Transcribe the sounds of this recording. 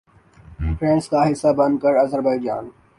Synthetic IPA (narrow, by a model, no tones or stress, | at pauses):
fɾɛ̃ːɳʈskaɦɪsːabɐ̃nd̪kəɾɐzəɾbaːid͡ʒa̰ːn